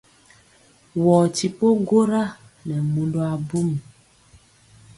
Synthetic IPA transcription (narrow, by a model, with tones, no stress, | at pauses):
wɔ˨ti˨po˦ɡo˦ɾa˦ | nɛ˨mũ˨lo˦a˨bu˦m˨